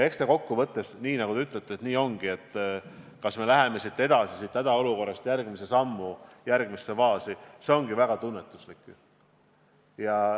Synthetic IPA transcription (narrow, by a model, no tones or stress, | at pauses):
e̞kst̪eko̞kːuvɤt̪ːe̞sniːnɑɡud̪eyt̪ˑlet̪ːˑesniːo̞ŋɡ̥ie̞t̪ːˑ | kɑsme̞læɦe̞me̞sit̪ːˑe̞d̪ɑsisit̪ːæd̪ɑo̞luko̞rːɑst̪jærɡ̥mise̞sɑmːujærɡ̥misːevɑːsise̞o̞ŋɡ̥ivæɡ̥ɑt̪unːe̞t̪ːˑuslikːˑ | jɑ